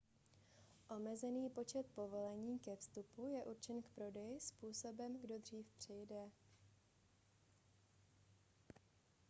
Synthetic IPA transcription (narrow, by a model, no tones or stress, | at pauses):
ʔo̞mɛzɛniːpo̞t͡ʃɛt̪̚po̞vo̞lɛɲiːkɛfst̪upujɛʔuɾt͡ʃɛnkpɾo̞dɛjɪspuːso̞bɛmɡdo̞d̪r̝iːfpr̝̥ɪjdɛ